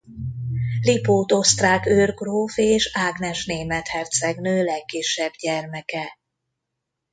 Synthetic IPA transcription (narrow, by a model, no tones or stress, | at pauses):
lipoːt̪ost̪raːkørɡroːfeːʃaːɡnɛʃneːmɛt̪hɛrt̪sɛɡnøːlɛkːiʃːɛbɟɛrmɛkɛ